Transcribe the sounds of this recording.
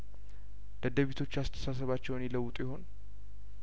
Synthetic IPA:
d̪̥əd̪əβit̪ʰo̞t͡ʃːast̪ʰə̥sas̬əβat͡ʃːɛwnjɪləwːʊt̪ʼjɪho̞n

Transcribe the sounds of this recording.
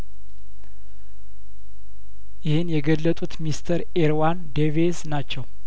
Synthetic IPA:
jɪhɨnjɛɡəlːət̪ʼut̪mist̪ʰəɾ | eɾwand̪evesnat͡ʃːɛw

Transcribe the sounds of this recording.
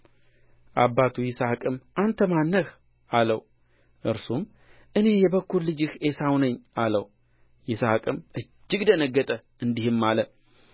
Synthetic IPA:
ʔabːat̪ʰujɪsakʼɨmʔant̪ʰəmanːəx | ʔaləw | ʔɨɾsum | ʔɨne̞jɛbəkːuɾlɨd͡ʒɨhesawnəɲːʔalə̰w | jɪsakʼɨmʔɨd͡ʒːɪɡd̪ənəɡːət̪ʼə | ɨnd̪ihɨmːalə

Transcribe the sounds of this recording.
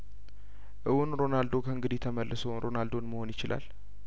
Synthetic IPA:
ʔɨwunɾo̞nald̪o̞kʰəɨŋɡɨd̪ijɛt̪ʰəməlːʔəsəwnɾo̞nald̪o̞nməho̞njɪt͡ʃɪlʔa̰l

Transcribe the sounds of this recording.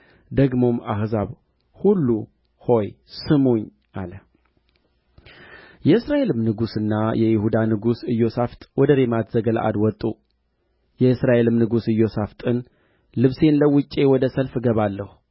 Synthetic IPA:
d̪əɡmo̞ma̰hzaβ | hulːu | ho̞j | sɨmoɲ | ʔalə | jɛɨsɾaʔe̞lɨmnɨɡusɨnːajʔɛjɪhud̪anɨɡusɨjːo̞saft̪ʼwɔd̪əɾemat̪ʰz̥əɡəla̰ʔa̰d̪wɔt̪ʼːu | jɛɨsɾaʔe̞lɨmnɨɡusɨjːo̞saft̪ʼɨn | lɨβse̞nləwʊt͡ʃʼːe̞wɔd̪əsəlfɡəβalːəhu

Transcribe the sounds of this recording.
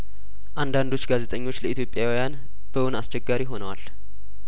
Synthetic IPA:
ʔand̪and̪o̞t͡ʃːɡazet̪ʼəɲːo̞t͡ʃːləit̪ʰjo̞pʼjawijan | b̥əwʊnast͡ʃʼːɛɡːaɾiɦo̞nəwa̰l

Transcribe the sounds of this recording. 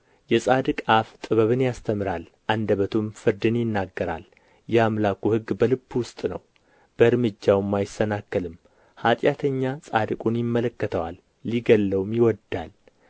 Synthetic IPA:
jɛsʼad̪ɨkʼaft̪ʼɨβəβɨnjast̪ʰəmɾalʔand̪əβət̪ʰumfɨɾd̪ɨnjɪnːaɡːəɾa̰l | jɛamlakuhɨɡːbəlɨbːwʊst̪ʼnə̰w | b̥əɨɾmɨd͡ʒːawmːajɪsːənakːəlɨm | hat̪ʼjat̪ʰəɲːasʼad̪ɨkʼunjɪmːələkːət̪ʰəwa̰lː | iɡəlːəwmjɪwɔd̪al

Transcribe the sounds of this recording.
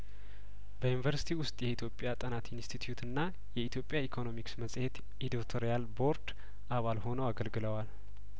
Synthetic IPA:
b̥əjunvəɾsi̥t̪ʰiwʊst̪ʼjɛit̪ʰjo̞pʼːjat̪ʼənat̪inst̪ʰit̪ʰjut̪ɨnːa | jɛit̪ʰjo̞pʼjaikʰo̞no̞miksməsʼhe̞t̪ | id̪ot̪ʰoɾijalbo̞ɾd̪ | ʔaβalho̞nəwaɡəlɡɨləwal

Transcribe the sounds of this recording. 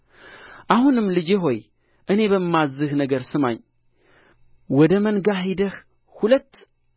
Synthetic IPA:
ʔahunɨmːlɨd͡ʒeɦo̞j | ʔɨne̞βəmːazːɨhnəɡəɾsɨma̰ɲ | wɔd̪əmənɡaɦid̪əh | hulət̪ː

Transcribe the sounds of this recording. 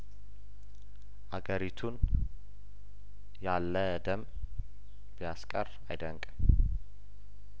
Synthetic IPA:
ʔaɡəɾit̪ʰun | jalːə | d̪əm | bijaskʼər | ajd̪əŋkʼm

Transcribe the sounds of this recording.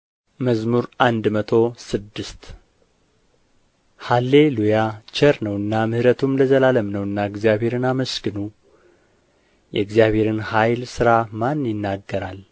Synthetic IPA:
məzmuɾʔand̪mət̪ʰo̞sɨd̪ːɨst̪ | halːe̞lujat͡ʃəɾnəwɨnːamɨhɾət̪ʰumləzəlaləmnəwɨnːaɨɡzijaβe̞ɾɨnaməskɨnu | jɛ̰ɡzijaβhe̞ɾɨnhajlsɨɾamanːjɪnːaɡːəɾal

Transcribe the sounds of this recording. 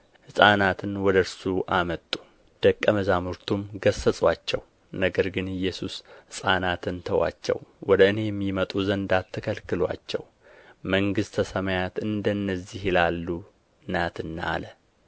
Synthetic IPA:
hɨsʼanat̪ʰɨnwɔd̪əɾsuʔamət̪ʼːu̥ | d̪̥əkʼːəməzamuɾt̪ʰumɡəsːəsʼwat͡ʃːɛw | nəɡəɾɡɨnɨjːɛsushɨsʼanat̪ʰɨnt̪ʰəwa̰t͡ʃːɛ̰wwɔd̪əɨne̞jɛmːimət̪ʼuzənd̪at̪ʰːɨkʰəlkɨlwa̰t͡ʃːɛ̰w | məŋɡɨst̪ʰːəsəmajat̪ɨnd̪ənːəzːihjɪlalːu | ɨnat̪ɨnːa̰lə

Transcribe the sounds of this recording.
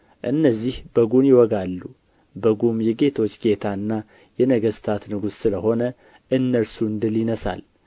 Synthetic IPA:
ʔɨ̰nːəzːihbəɡunjɪwɔɡalːu | bəɡumjɛɡe̞t̪ʰo̞t͡ʃːɡe̞t̪ʰaɨnːa | jɛnəɡəst̪ʰat̪nɨɡussɨləho̞nə | ʔɨnːəlsuɨnd̪ɨlɪnəsa̰l

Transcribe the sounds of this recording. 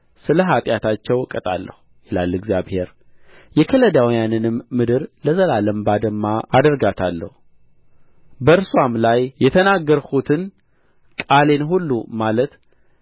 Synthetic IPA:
sɨləɦat̪ʼjat̪ʰat͡ʃːɛwkʼət̪ʼa̰lːə̰hujɛla̰lːɛɡzjaβhe̞ɾ | jɛkʰələd̪awijanɨnɨmːɨd̪ɨɾləzəlaləmbad̪əmːaad̪əɾɡat̪ʰalːə̰hu | bəɨɾswamlajːɛt̪ʰənaɡːəɾhut̪ʰɨn | kʼale̞nɦulːumalət̪

